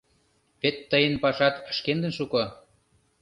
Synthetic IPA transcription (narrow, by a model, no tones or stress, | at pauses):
βet̪ːəjənpɑʃɑt̪əʃkend̪ənʃuko